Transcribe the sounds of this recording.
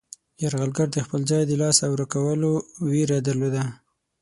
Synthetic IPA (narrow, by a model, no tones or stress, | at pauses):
jaɾɣalɡaɾd̪əxpəlzɑjd̪əlɑsawɾakawəlowiɾad̪əɾlod̪a